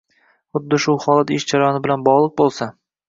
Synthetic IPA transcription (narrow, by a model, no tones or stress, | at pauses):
χʊd̪ːɪʃʊhɒlˠat̪ɪʃd͡ʒaɾajɒnɪbɪlanbɒʁlˠɨq̚bolˠsa